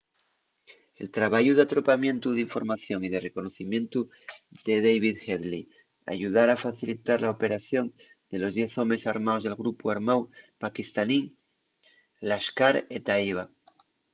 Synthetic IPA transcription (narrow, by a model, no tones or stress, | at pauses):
e̞̰lt̪ɾaβaʝuð̞eat̪ɾo̞pamjẽ̞nt̪uðeiɱfo̞̰ɾmaθjo̞ŋið̞e̞re̞ko̞no̞θimjẽ̞nt̪u | ðe̞ðejβ̞iðxeðli | a̰ʝuð̞aɾafaθilit̪aɾlaope̞ɾaθjo̞n | d̪e̞lo̞zðje̞θo̞me̞saɾmaozð̞e̞lɣɾupuaɾmawpakist̪aniŋ | laskaɾet̪aiβ̞a